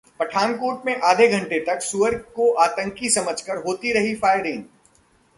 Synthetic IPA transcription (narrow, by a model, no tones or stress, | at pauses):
pɐʈʰaːnkoːʈmẽʔaːd̪ʱeɡʱɐ̃ɳʈet̪ɐksuəɾkoʔaːt̪ə̃ŋkisɐməd͡ʒʱkəɾɦoːt̪iɾɐɦifaːɪɾɪ̃ŋ